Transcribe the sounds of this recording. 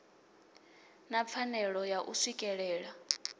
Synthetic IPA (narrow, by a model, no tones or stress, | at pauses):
nap̪fʰanɛɺɔjaʔusikʼɛɺɛːɺa